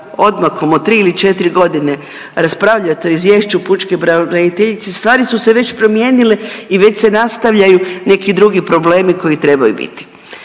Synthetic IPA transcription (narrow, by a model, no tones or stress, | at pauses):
o̞d̪makomot̪ːɾiːilit͡ʃe̞t̪iɾiɡo̞d̪ine̞ | ɾaspɾaʋʎat̪eoizʋje̞ːʃt͡ɕuput͡ʃkebɾaɾad̪it̪eʎit̪sest̪ʋaːɾisuse̞ʋe̞t͡ɕpɾo̞mje̞ːnile̞iʋe̞t͡ɕse̞nast̪aʋʎajune̞kid̪ɾuɡipɾo̞ble̞ːmiko̞jit̪ɾe̞bajṵbḭt̪i̥